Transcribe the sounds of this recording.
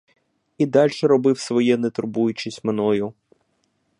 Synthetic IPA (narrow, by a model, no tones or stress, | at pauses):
id̪ɑlʲʃɛɾɔbɪwsʋɔjɛnet̪ʊɾbujʊt͡ʃisʲtʲmenɔjʊ